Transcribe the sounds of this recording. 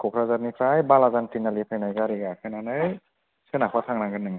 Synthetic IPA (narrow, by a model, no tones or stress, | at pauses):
kʰɔkʰɾazaɾnipʰɾajbalazantinalipʰajnajɡaɾiɡakʰɯnanaj | senakʰatʰaŋnaŋɡɯnːɯŋ